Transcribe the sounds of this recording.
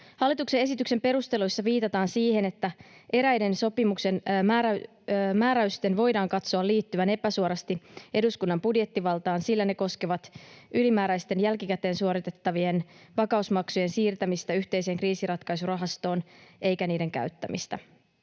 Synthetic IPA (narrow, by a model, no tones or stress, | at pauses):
hɑlːit̪ukseesit̪ykse̞mpe̞ɾust̪e̞lujsːɑʋiːt̪ɑt̪ɑːnsiːhe̞ne̞t̪ːæʔe̞ɾæjde̞nso̞pimukse̞næː | mæːɾæyst̪enʋo̞jdɑːŋkɑt̪soɑlːiːt̪ːyʋæne̞pæsuoɾɑst̪iʔe̞duskunːɑmpudje̞t̪ːiʋɑlt̪ɑːnsilːæne̞koskeʋɑt̪ʔylimæːɾæjst̪e̞njælkikæt̪e̞ːnsuo̞ɾit̪e̞t̪ːɑʋie̞nʋɑkɑusmɑksuje̞nsiːrt̪æmist̪æyçt̪e̞jse̞ːŋkriːsirɑt̪kɑjsurɑɦɑst̪o̞ːne̞jkæniːde̞ŋkæ̰ɥt̪ːæmḭst̪æ